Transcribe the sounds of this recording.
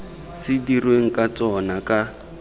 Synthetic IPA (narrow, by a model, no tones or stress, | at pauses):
sɪdirweŋ̩kat͡sɔnaka